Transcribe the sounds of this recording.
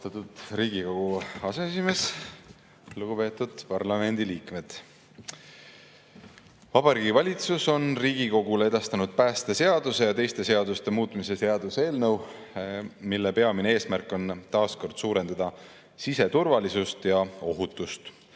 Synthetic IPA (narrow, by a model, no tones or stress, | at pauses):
t̪ɑt̪ːˑud̪̥ɾiːɡiko̞ɡ̥uɑseesime̞s | luɡ̥upe̞ːt̪ːˑud̪̥pɑrlɑme̞nd̪̥iliːkme̞d̪̥ | vɑb̥ɑɾiɡivɑlʲit̪suso̞nriːɡ̥iko̞ɡ̥ulee̞d̪̥ɑst̪ɑnud̪̥̚pæːst̪ese̞ɑd̪̥use̞jɑt̪e̞jst̪e̞se̞ɑd̪ust̪e̞muːt̪ˑmise̞se̞ɑd̪̥useːlnəw | milːe̞peɑminee̞ːsmærkːˑo̞nt̪ɑːsko̞rd̪̥suːɾe̞nd̪̥ɑd̪̥ɑ | sise̞t̪urvɑlisust̪jɑo̞ɦut̪ːˑust̪